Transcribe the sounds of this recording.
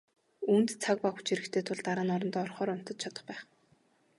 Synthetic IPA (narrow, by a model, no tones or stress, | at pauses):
unt̪t͡sʰak̚paxu̥t͡ɕiɾɘ̆kt̪ʰeːt̪ʰʊɮt̪aɾaːnɔɾɞ̆nt̪ɔrχɔːɾʊn̥t̪ɞ̆t̪̚t͡ɕʰat̪ɞ̥̆χpæːχ